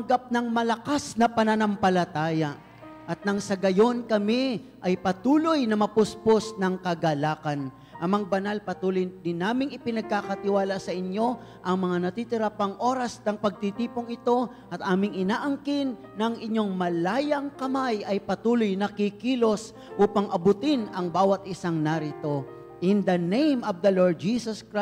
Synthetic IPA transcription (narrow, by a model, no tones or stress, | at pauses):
ɐŋɡap̚nɐŋmɐlɐkasnɐpɐnɐnɐmpɐlɐt̪aːja | ʔɐt̪̚nɐŋsɐɡɐjo̞nkɐmɪʔɐjpɐt̪uːlojnɐmɐpʊsposnɐŋkɐɡɐlaːkɐn | ʔɐmɐŋbɐnalpɐt̪uːlojd̪ɪnːaːmɪŋɪpɪnɐɡ̚kakɐt̪ɪwaːlasɐʔɪɲjo̞ | ʔɐŋmɐŋanɐt̪it̪ɪɾapɐŋʔo̞ːɾɐsnɐŋpɐɡ̚t̪it̪iːpoŋɪt̪o̞ | ʔɐt̪̚ʔaːmɪŋɪnaːʔɐŋkɪnːɐŋɪɲːo̞ŋmɐlaːjɐŋkɐmajʔɐjpɐt̪uːlojnɐkikiːlo̞s | ʔuːpɐŋʔɐbʊt̪ɪnɐŋbaːwɐt̪ʔɪsaŋnaɾɪt̪o̞ | ʔɪnd̪ɐnejmovd̪ɐloɹd̪̚d͡ʒisɐskɾa